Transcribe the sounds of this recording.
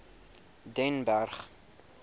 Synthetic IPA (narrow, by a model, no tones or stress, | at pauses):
dɛnbærχ